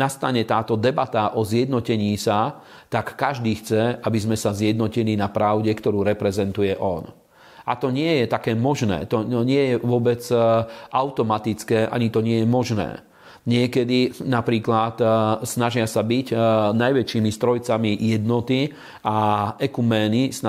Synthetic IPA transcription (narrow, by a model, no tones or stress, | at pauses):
nast̪aɲɛt̪aːt̪ɔd̪ɛbat̪aʔɔzjɛd̪nɔcɛɲiːsa | t̪akːaʒd̪iːxt͡sɛʔabizmɛsazjɛd̪nɔcilinapɾaʊɟɛkt̪ɔɾuːɾɛpɾɛzɛnt̪ujɛʔɔn | ʔa̰t̪ɔɲɪɛjɛt̪akɛːmɔʒnɛ̰ːt̪ɔɲɪɛjɛʋʊɔbɛt͡sʔaʊt̪ɔmat̪it͡skɛːʔa̰ɲit̪ɔɲɪɛjɛmɔʒnɛ̰ː | ɲɪɛkɛd̪inapɾiːklat̪snaʒɪasabiɟnajʋɛt͡ʃiːmist̪ɾɔjt͡samijɛd̪nɔt̪i | aɛkumɛːnis